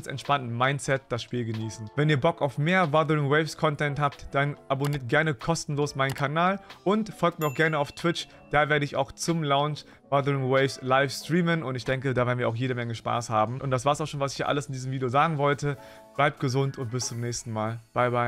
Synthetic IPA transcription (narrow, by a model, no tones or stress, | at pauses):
sɛ̰ntʃpantn̩maɪnt͡sɛt̚d̥asʃpiːlɡəniːsn̩vɛniːɐbɔkaʊfmeːɐvadəʁɪŋwɛɪfskʰɔntɛnthaːptd̥anʔaboniːɐt̚ɡ̥ɛɐnəkʰɔstn̩loːsmaɪnkʰanaːlʔʊntfɔlk̚tmiɐaʊxɡ̥ɛɐnəaʊftʰv̥ɪt͡ʃ | d̥aːveːɐɾəɪçaʊxt͡sʊmlaʊnʃ | badəʁɪŋwɛɪfslaɪfstʁ̥iːmənʊntɪçd̥ɛŋkədaːveːɐnviːɐaʊxjeːɾəmɛŋəʃpa̰ːshaːbm̩ʔʊntd̥as̬v̥aːɐsaʊxʃoːnvasɪçiɐʔa̰ləsɪndiːzəmviːdjozaːɡŋ̩vɔltə | b̥laɪp̚t̚ɡ̥əzʊntʰʊnt̚b̥ɪst͡sʊmnɛːçstn̩maːlb̥aɪbaɪ